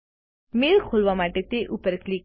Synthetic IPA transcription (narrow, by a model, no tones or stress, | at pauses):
meːlkʰolʋamaʈet̪eʔupəɾklik